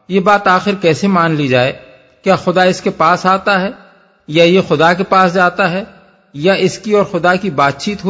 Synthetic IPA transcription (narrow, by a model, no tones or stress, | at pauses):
jebaːt̪aːxɪɾkɛːsemaːnlid͡ʒaːe | kjaːxʊd̪aɪskepaːsaːt̪aɦɛː | jajexʊd̪akepaːsd͡ʒaːt̪aɦɛ | jaʔɪskiɔːɾxʊd̪akibaːt̪̚t͡ʃiːt̪ɦo